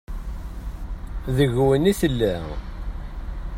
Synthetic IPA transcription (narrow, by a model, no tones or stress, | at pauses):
ðəʝwəniθəlːæ